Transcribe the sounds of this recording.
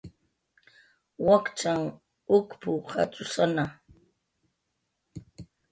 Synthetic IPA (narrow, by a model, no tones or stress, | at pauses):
wakt͡ʃaŋ | ʊkpʊha̰t͡sʊsana